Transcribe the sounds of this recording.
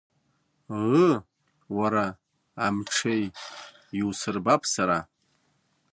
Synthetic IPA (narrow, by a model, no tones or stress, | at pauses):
ʁə | waɾaː | mʈ͡ʂʰej | iwsɨrbapʰsaɾa